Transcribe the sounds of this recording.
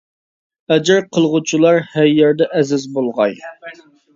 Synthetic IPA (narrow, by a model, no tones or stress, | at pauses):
ɛd͡ʒɪɾqʰəlˠʁut͡ʃʰilˠɑɾhæɾjɛɾd̪ɛʔɛzɪzbolˠʁɑ̰j